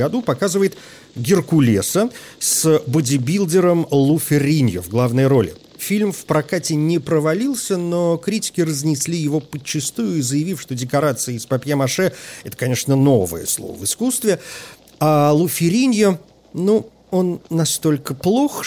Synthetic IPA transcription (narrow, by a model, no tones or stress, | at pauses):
ɡɐd̪upɐkazɨvəjɪt̪ | ɡʲɪrkʊlʲesəsbʊdʲɪbʲilʲˠdʲɪɾəmlˠufʲɪɾʲinʲjəvɡlˠavnɨjəɾo̞lʲɪ̰ | fʲilʲmfpɾɐkatʲɪnʲɪpɾəvɐlʲilˠsʲəno̞kɾʲitʲɪ̥kʲɪrəzʲnʲɪsʲlʲijɪvo̞pət͡ɕːɪst̪ujʊizəjɪvʲifʂt̪o̞dʲɪkɐɾat̪sɨəːspɐpʲjamɐʂɛɛt̪ə̥kɐnʲe̞ʂnəno̞və̰jə̰slˠo̰vɨskust̪vʲɪ | alˠufʲɪɾʲinʲjə | nu | o̞nːɐst̪o̞lʲkəplˠo̞x